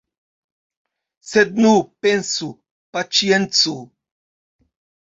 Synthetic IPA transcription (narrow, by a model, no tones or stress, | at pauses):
sed̪̚nupensu | pat͡ʃjent͡su